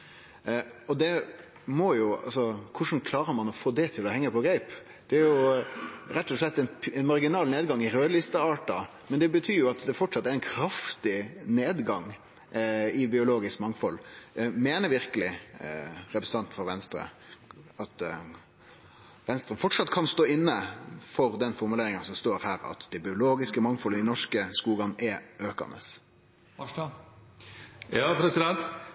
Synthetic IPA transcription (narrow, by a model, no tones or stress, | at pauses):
ɔd̪ɛ | mɔjʊɑ̰lsɔkʰʊʂn̩kʰlɑːɾəɾmɑnɔfoːd̪ɛt̪ʰɪlɔhɛŋːəpʰɔɡɾæɪp | d̪̥ɛæɾjʊ | ɾɛt̪ːɔʂɭɛt̪ːɛnɛnmɑɾɡɪnɑːlneːd̪ɡɑŋɪɾøːd̪lɪst̪əɑːʈɑ | mɛnd̪ɛbət̪ʰyːɾjʊɑt̪d̪ɛfɔʈʂɑt̪ːæɾɛnkʰɾɑft̪ɪneːd̪ɡɑŋ | ɪbɪʊloːɡɪskmɑŋfɔlmeːnəɾʋɪɾkəlɪ | ɾɛpɾəsət̪ɑnt̪fɔɾʋɛnst̪ɾə̰ | ɑt̪ | ʋɛnst̪ɾəfɔʈʂɑt̪ːkʰɑnst̪oːɪnːəfɔɾd̪ɛnfɔɾmʉleːɾɪŋənsɔmst̪oːɾhæːɾɑ̰t̪d̪ɛbɪʊloːɡɪskəmɑŋfɔlənɪnɔʂkəskuːɡɑnʔɛʔøːkɑ̰nə̰s | jɑpɾɛsɪd̪ɛnt̪